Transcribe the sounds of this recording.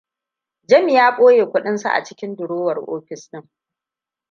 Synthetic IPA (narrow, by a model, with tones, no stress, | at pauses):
d͡ʒɐ˦mi˨jaː˦kʷʼoː˦jeː˨kʷʊ˦ɗɪ˦nsa̰˨ʔa̰˨t͡ʃɪ̥˦kʲɪ˦ndʊ˨ɽoː˦wɐ˨rʔo̰ː˦ɸɪ˨snɪ˦ŋ